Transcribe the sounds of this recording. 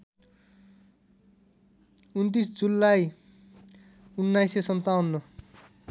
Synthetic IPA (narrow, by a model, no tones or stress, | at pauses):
unt̪̬isd͡zulːaj | unːajsesʌnt̪awnːʌ